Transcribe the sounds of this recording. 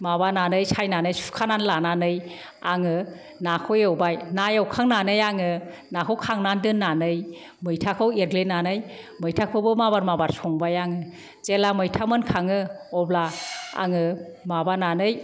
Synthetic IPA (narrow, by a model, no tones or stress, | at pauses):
mabananɯjsʰajnanɯjsu̥kʰananlananɯj | aŋɯ | nakʰɔjawbajnajawkʰaŋnanɯjaŋɯ | nakʰɯwkʰaŋnandɯnːanɯj | mɯjtʰakʰɯweɾɡlenanɯj | mɯjtʰakʰɯbɯmabaɾmabaɾsɔŋbajaŋɯ | t͡ʃelamɯjtʰamɯnkʰaŋɯɔblaa̰ŋɯ | mabananɯj